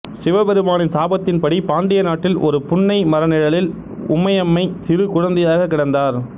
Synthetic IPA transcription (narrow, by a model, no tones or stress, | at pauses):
sɪʋɐbɛɾɯmaːnɪnsaːbɐt̪ːɪnpɐɽipaːnɖ̪ɪjɐnaːʈːɪlʔɔ̰ɾɯpʊɳːɐɪmɐɾɐnɪɻɐlɪl | ʊ̰mːɐjɐmːɐɪt̪ɪɾɯkʊɻɐnd̪ɐjaːɣɐkːɪɽɐnd̪aːɾ